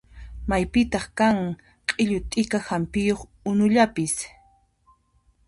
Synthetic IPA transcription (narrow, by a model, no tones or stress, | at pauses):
majpɪt̪ɑχkaŋ | qʼɪʎʊt̪ʼɪkahampɪjoχ | ʊnʊʎapɪs